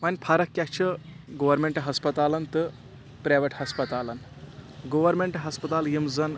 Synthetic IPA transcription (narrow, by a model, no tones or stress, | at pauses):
mɐnʲpʰaɾɐkːʲat͡ʃʰɐ | ɡoʋɐɾmeɳʈɦɐspɐt̪aːlɐnt̪ɨ | pɾaʋəʈhɐspɐt̪alɐn | ɡoʋɐɾmeɳʈɦɐspɐt̪aːljimzɐn